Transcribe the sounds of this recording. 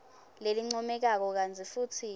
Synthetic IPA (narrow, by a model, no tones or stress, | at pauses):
leliŋ͡ǀɔmɛk̬ak̬ɔk̬ant͡sʰʼifuːtʰi